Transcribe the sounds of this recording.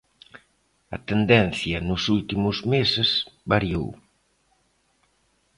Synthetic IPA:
ɐ̰t̪end̪ɛn̟θjɐnʊsult̪imʊzmesesbaɾjow

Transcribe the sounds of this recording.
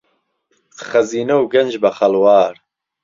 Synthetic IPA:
χɐziːnɐwɡɐnd͡ʒbɐχɐlwaːɾ

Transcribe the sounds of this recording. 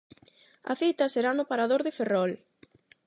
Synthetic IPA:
ɐ̰θit̪ɐseɾanʊpaɾaðoɾðɪferɔl

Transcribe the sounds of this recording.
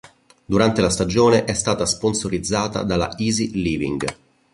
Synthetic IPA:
d̪uɾant̪elast̪ad͡ʒoːneʔɛst̪aːt̪asponsoɾid̪zːaːt̪a̰d̪ala̰iːziliːvḭŋɡ

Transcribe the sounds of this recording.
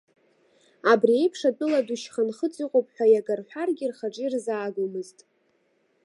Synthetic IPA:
abriejpʰʂatʼɨladuʃχanχət͡sʼiqʼopʼħʷᶣajaɡarħʷᶣarɡʲirχaʈ͡ʂʼirzaːɡʷumɨztʼ

